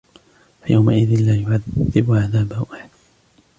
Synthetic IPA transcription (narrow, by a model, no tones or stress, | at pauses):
fajawmaʔɪðɪnlaːjʊʕaðːɪbʕaðaːbahʊʔaħad